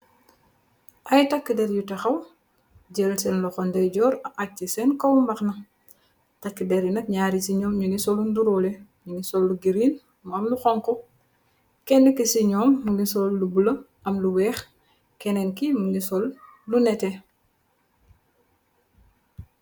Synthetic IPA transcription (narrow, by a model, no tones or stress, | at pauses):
ʔɐjtɐkːidɛɾjutɐxɐw | ɟɛlsɛnlɔxɔndɛjɟɔːɾɐʔat͡ʃːisɛnkɔwmbɐxnɐ | tɐkːidɛɾjunɐk̚ɲaːɾisiɲɔːmɲunisɔlːunduɾɔlɛ | ɲunisɔlːuɡiɾin | mɐmluxɔŋkɔ | kɛnːɛkisiɲɔːmːunisɔlːubulɐ | ʔɐmluwɛːx | kɛnɛnkimunisɔlːunɛtɛ